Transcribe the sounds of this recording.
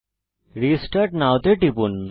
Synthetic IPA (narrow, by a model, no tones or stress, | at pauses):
ɾisʈaʈnawt̪eʈipun